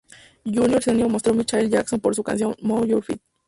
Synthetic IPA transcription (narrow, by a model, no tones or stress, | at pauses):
ʝunjoɾsenjomo̞st̪ɾomit͡ʃajld͡ʒakso̞npo̞ɾsuka̰nsjo̞nmowjuɾfḭt̪̚